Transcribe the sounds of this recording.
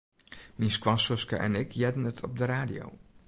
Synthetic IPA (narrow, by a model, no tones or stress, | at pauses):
minskwɑsɔskə̰ʔɛ̰nɪkʰjɛdən̩ətʰɔp̚dəɾaːdijo̰w